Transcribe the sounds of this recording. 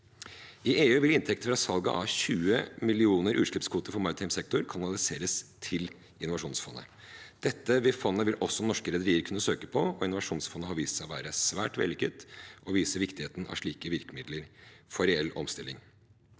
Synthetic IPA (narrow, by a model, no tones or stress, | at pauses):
ɪʔeːʉːʋɪlɪnt̪ʰɛk̚t̪əfɾɑsɑlɡɑ̰ʔɑçʉːəmɪlɪuːnəɾʔʉːʂɭɪpskʰʋuːt̪əɾfɔɾmɑɾət̪ʰɑɪmsɛk̚t̪ʊɾkʰɑnɑlɪseːɾəst̪ʰɪl | ɪnʊʋɑʂuːnsfɔnːə̰ | d̪̥ɛt̪ːəʋɪfɔnːəʋɪlʔɔsːɔnɔʂkəɾɛd̪əɾiːəɾkʰʉnːəsøːkə̥pʰɔɔɪnʊʋɑʂuːnsfɔnːəɦɑɾʋiːst̪sæɪʋæ̰ːɾəsʋæ̰ːʈʋɛ̰lɪkət̪ʔɔʋiːsəʋɪkt̪ɪheːt̪ən̩ʔɑ̰ʂɭiːkəʋɪɾkəmɪd̪ləɾfɔɾɛɛlːɔ̰mst̪ɪlɪŋ